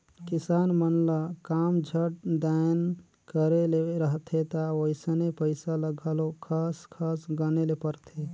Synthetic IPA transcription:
kisanmənlakamd͡ʒʱəʈ̚d̪an | kəɾeleɾəɦt̪ʰet̪awoɪsənepəɪsaləɡʱəlokʰaskʰasɡənelepəɾt̪ʰe

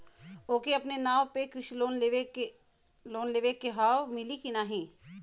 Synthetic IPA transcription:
oːkiɐpnenaːʋpekɾɪʃiloːne | loːnleːʋekːeɦaːwmɪlikinaːɦĩː

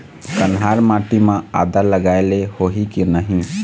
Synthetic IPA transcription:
kənɦaɾmaʈimãa̰d̪əɾləɡaelehoɦikinəɦĩ

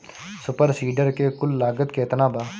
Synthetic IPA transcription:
sʊpəɾsiːɖəɾkeːkʊlːaːɡət̪keːt̪nãːbaː

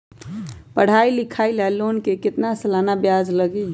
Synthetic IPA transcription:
pəɽ̤ailikʰailalonkekɪt̪nasəlanabjad͡ʒləɡi

